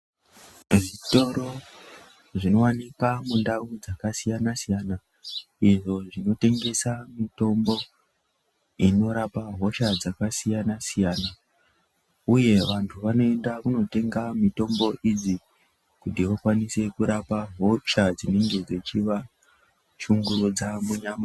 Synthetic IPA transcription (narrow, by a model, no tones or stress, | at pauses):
ʐito̞ɾo̞ | ʐino̞wanikamundaud͡zakasijanasijana | iʐo̞ʐino̞te̞ŋɡe̞samito̞mbo̞ | ino̞ɾapaɦo̞ʃad͡zakasijanasijaːna | uje̞ʋantʰuʋano̞e̞ndakuno̞te̞ŋɡamito̞mbo̞ʔid͡zi | kutiʋokwanise̞kuɾapaɦo̞ʃad͡zine̞ŋɡe̞d͡zet͡ʃiʋa | ʃuŋɡuɾud͡zamuɲama